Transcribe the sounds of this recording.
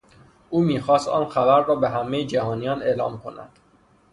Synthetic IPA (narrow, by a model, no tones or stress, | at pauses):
ʔuːmiːxɒːst̪ɒ̰ːnxæbæɾːɒːbeɦæmejed͡ʒæhɒːnijɒːneːlɒːmkʰo̞̰næ̰d̪̥